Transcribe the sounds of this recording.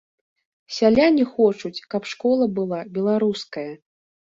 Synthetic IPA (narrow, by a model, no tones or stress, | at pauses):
sʲalʲanʲixɔt͡ʂut͡sʲkɐpʂkɔlˠɐbɨlˠabʲɛlˠaɾuskɐjɐ